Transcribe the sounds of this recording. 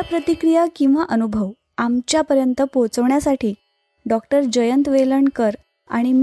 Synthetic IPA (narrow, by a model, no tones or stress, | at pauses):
apɾət̪ikɾijakĩw̃ʋaʔənubʱəʋ | amt͡ɕjapəɾjənt̪əpot͡səʋɳjasaʈiː | ɖɔk̚ʈəɾd͡ʑəjənt̪ʋeləɳkəɾ | a̰ɽ̃im